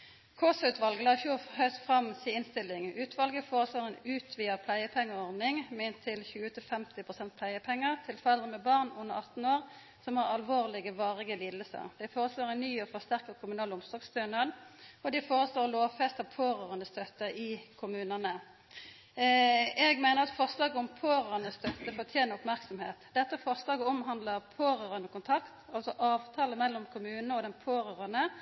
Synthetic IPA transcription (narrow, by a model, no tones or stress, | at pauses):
kʰosɑʉːt̪ʰʋɑlɡəlɑːçuːhœʏst̪fʁɑmsiɪnst̪ɪlːɪŋʉːt̪ʰʋɑlɡəfoːʁəsloːʁɛnʉːt̪ʰʋiːəpʰlæɪəpʰɛŋːəʁɔʁd̪nɪŋmɛɪnt̪ʰɪlçʉːət̪ʰɪlfɛmt̪ɪpʰʁʊsɛnt̪̚pʰlæɪəpʰɛŋːəʁt̪ʰɪlfɔʁɛld̪ʁəmɛbɑʁnʊnːəʁɑt̪n̩oːʁ | sɔmhɑːʁɑlʋoːʁlɪɡəʋɑːʁɪɡəliːd̪lsə̰ʁd̪ɛfoːʁəsloːʁɛɪnnyːɔfɔʁst̪æʁkəkʰʊmʉnɑːlʊmsd̪ɔkst̪øːnɑd̪ɔd̪ɛfoːʁəsloːʁloːʋfɛst̪ɑʋpʰoːʁøːʁənəst̪œt̪ːəʔɪkʰʊmʉːnənə | ɛɡmæɪnəʁɑt̪fɔʁslɑːɡəʊmpʰoːʁœːənəst̪œt̪ːəfɔʁt̪ʰjeːnəʁʊpmæʁksɔmheːt̪d̪ɛt̪ːəfɔʁslɑːɡəɔmɦɑnd̪ləʁpʰoːʁøːʁənəkʊnt̪ʰɑkt̪ɑlsɔʔɑːʋt̪ʰɑːləmɛlːɔmkʰʊmʉːnnəɔd̪ɛnpʰoːʁøːʁənə